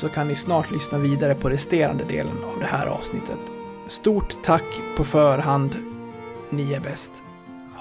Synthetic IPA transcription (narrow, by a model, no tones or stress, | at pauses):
sɔkʰannɪsnɑːʈʰlʏsnaviːd̪aɾəpʰɔɾɛst̪eːɾa̰nd̪əd̪ḛːlə̰navd̪ɛhæ̰ːɾʔɑ̰ːvsnɪt̪ʰːət̪ | st̪uːʈt̪ʰːakːpʰɔfœːɾɦand̪ | niæɾbɛst̪